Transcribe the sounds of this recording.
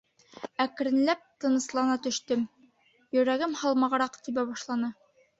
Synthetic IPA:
æk̆ɾɘ̆nlæp̚t̪ɤ̆nɤ̆slˠɑnɑt̪ɵ̆ʃt̪ɘm | jɵ̆ɾæɡɘmhɒlˠmɑʁɾɑqt̪ibæbɒʃlˠɑnɤ

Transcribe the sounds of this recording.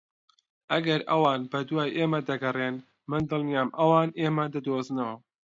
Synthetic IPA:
ʔɐɡɐɾɐwɑːnbɐd̪waːjʔeːmɐd̪ɐɡɐreːn | mɨnd̪ɨlˠnijaːmʔɐwɑːneːmɐd̪ɐd̪oːznɐwɐ

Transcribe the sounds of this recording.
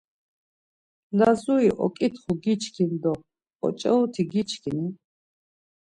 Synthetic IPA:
lazuiʔɔ̰kʼit̪ʰχuɡit͡ʃʰkʰind̪ɔ | ɔ̰t͡ʃʼɛut̪ʰiɡit͡ʃʰkʰini

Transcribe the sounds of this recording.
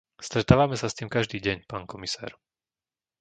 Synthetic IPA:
st̪ɾɛt̪aːʋamɛsast̪iːmkaʒd̪iːɟɛɲpaːnkɔmisa̰ːɾ

